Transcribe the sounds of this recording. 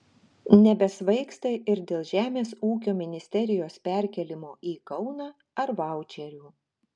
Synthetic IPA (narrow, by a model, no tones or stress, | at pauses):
nʲɛbʲɛsʋɐɪkst̪ɐɪʔɪɾd̪ʲeːlˠʒʲæːmʲeːsuːkʲoːmʲɪnʲɪsʲt̪ʲɛɾʲɪjoːspʲæɾʲkʲɛlʲɪmoːʔiːkɒʊnɑː | ɐɾʋɑˑʊt͡ʃʲɛɾʲuː